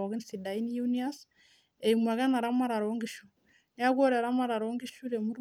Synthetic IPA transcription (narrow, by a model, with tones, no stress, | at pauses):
ɔ˨ɣi˦nsi˨da˨i˦ni˦juni˦a˦s | e˨imwa˨ɣa˦na˨ɾa˦ma˦ɾa˨ɾoŋɡiʃu˨ | ni˦a˦kɔ˦ɾɛ˨ɾa˦ma˦ɾa˨ɾo˦ŋɡi˦ʃu˦ɾe˨mu˦ɾ